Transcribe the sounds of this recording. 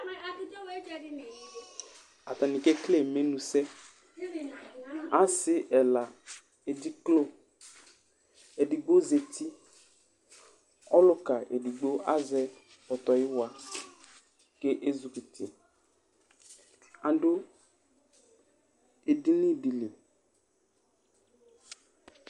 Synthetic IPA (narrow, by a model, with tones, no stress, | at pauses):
a˨t̪a˨nɪ̃˨kɛ˦kle˦˨me˦nũ˨sɛ˦ | a˨˦sɪ˦ʔɛ˨la˨ | e˨di˦klo˦ | e˨di˨ɡ͡bo˦ze˨tʰi˦ | ɔ˦lʊ˦ka˨ʔe˨di˨ɡ͡bo˦ʔa˦zɛ˦ | pɔ˨t̪ɔ˨jɪ˦wa˨ | ke˦ʔe˦zu˨ki˨tɪ˨ | a˨dʊ˦ | e˨di˦li˦˨di˨le˨